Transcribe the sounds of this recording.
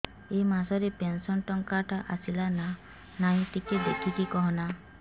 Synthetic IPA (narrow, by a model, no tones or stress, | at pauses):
emasɔɾepensɔnʈɔŋkaʈʰaʔasilana | naj̃ʈ̪iked̪ḛkʰiʈ̪ikɔɦɔna